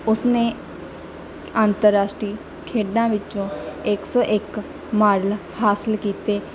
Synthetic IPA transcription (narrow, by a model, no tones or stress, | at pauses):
ʊsneː | aːnt̪əɾːaːʃʈɾiː | kʰeːɖãːʋɪt͡ʃõːɪksɔːʔɪk | maːɾəlhaːsəlkiːt̪eː